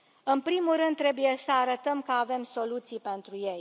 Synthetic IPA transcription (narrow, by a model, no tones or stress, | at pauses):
ɨnpɾimuɾɨnd̪ːɾe̞buje̞səaɾət̪əmkəave̞mso̞lut̪sijpe̞nt̪ɾuje̞j